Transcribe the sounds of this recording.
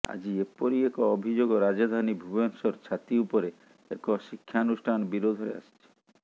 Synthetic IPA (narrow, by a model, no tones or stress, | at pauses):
a̰d͡ʑiepoɾiekɔɔbʱid͡ʒoɡoɾad͡ʒad̪ʱanibʱubensɔɾt͡ʃʰat̪iupoɾe | ekɔʃikʰːanusʈʰanbiɾod̪ʱɔɾḛa̰st͡ʃʰi̥